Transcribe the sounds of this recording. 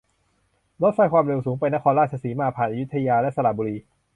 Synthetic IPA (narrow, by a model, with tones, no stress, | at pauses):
lo˦˥t̪̚faː˥˩jkʰwaː˧mɾe˧wsuː˩˦ŋp̬a˧jna˥kʰɔː˧nɾaː˥˩t̪̚t͡ɕʰa˧siː˩˦maː˧pʰaː˨˩nʔa˧ju˦˥t̪ʰːa˧jaː˧lɛ˦˥ʔsa˧la˨˩buː˧ɾiː˧